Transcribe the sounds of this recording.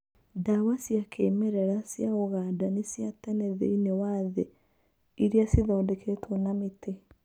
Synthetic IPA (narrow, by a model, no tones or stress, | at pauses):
dawasjakʰeːmɛɾɛɾasjaɣoɣaːdanesjatɛnɛðḛinewaðɛ | iɾeasiðɔːdɛkʰetʰonamete